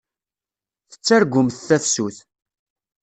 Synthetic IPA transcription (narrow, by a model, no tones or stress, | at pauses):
θə̥t͡sːæɾɡʷʊmθθæfsuθ